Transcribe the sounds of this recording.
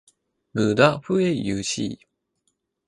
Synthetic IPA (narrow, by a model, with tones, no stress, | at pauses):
ɡɯ˨d̪a˦ɸɯ˦e˥ijɯ˧ɕḭː